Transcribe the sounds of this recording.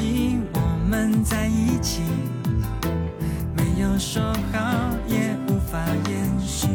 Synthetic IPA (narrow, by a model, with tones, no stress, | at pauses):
i˧˥wɔ˨˩mə˧nt͡sa˥˧ɪi˥t͡ɕʰi˨˩ | me˧˦˥ɪjo˨˩ʊʂo˥ʊxɑ˨˧˦ʊjɛ˨˩u˧˥fa˨˩jɛ˥˧˩nɕy˧˦